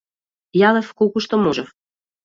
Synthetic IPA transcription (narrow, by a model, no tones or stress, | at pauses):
jɑlefkukuʃt̪omoʒef